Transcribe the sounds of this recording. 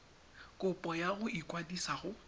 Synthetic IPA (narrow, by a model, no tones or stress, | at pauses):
kʼʊpʼɔjaɣʊikwadisaɣʊ